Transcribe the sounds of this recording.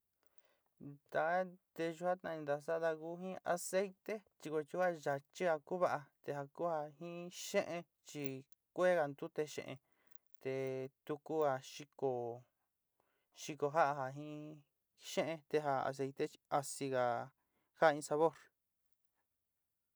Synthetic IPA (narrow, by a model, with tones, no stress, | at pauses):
d̪a˧˦t̪e˧ʒu˧ha˦t̪nã˧ĩ˧d̪a˧sa˦ða˧ku˦ɦĩ˦a̰˧se˦jt̪e˦t͡ʃi˧ko˧t͡ʃi˧˦a˦˧ʒa˧t͡ʃi˦ɣa˧ku˦βa˦ʔa˧t̪e˧ɦa˧ku˦ha˧hĩ˦ʃẽ˦ʔẽ˧ | t͡ʃi˧ | kʷe˦ɣa˧nd̪u˦t̪e˧ʃḛ̃˧ʔḛ̃˧ | t̪e˧t̪u˧ku˦a˧ʃi˧ko˧˨ | ʃi˧ko˧ɦa˦ʔa˧ɦa˧ɦĩ˦ | ʃẽ˦ʔẽ˧t̪e˧ɦa˧a̰˨s̬e˧jt̪e˦˧i˧a˧si˧ɣa˨ | ha˦˧ĩ˧sa˧βo˦˨ɾ